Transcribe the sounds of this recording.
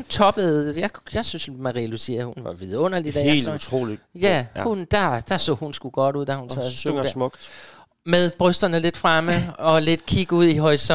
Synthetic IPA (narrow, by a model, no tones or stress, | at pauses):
unt͡sʰɒ̽b̥əð̩ˠjɑɪjɑ̈ɪsynsmɑ̈ʁḭlusiɐhunʋɑ̈ʋiðˠɔ̽n̰ɐl̥id̥ɛ̰ɒ̽t͡sʰʁo̰ːlijæhund̥ɑ̈d̥ɑsɔ̰̽ːhunsɡ̥uɡ̥ɒ̽d̥uð̰ˠd̥æhunsɛ̰ðˠsssmɔɡ̥ | meðˠb̥ʁœsd̥ɐnəle̝d̥fʁaməɒ̽le̝d̥kʰiɡ̥əuð̞̰ˠiɦɒ̽isɒ